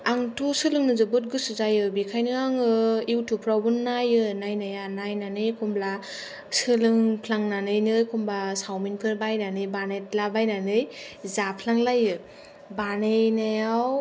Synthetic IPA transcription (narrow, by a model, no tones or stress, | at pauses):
aŋtʰosɯlɯŋnɯzɯbɯt̬̚ɡɯsɯzajɯbikʰajnɯaŋɯiwtʰupʰɾawbɯnːajɯnajnajanajnanɯjkʰumbla | sɯlɯŋpʰlaŋnanɯjnɯkʰumbasawminpʰɯɾbajnanɯjbanajt̚labajnanɯjzapʰlaŋlajɯ | banɯjnajaw